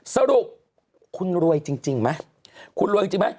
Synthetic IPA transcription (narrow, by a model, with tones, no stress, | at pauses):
sa˧ɾu˨˩p̚ | kʰu˧nɾu˧əjt͡ɕi˧ŋt͡ɕi˧ŋma˦˥ | kʰu˧nɾu˧jt͡ɕi˧ma˦˥j